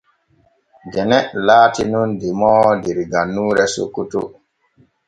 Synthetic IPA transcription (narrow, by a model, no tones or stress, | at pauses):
d͡ʒɛnɛʔlaːtinundimɔdiɾɡanːuːɾɛso̰kːutṵ